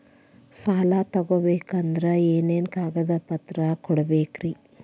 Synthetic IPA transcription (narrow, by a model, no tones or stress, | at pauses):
saːlat̪ɐɡobeːkɐnd̪ɾɐeːneːnkaːɡɐd̪ɐpɐt̪ɾɐkɔɽɐbeːkɾi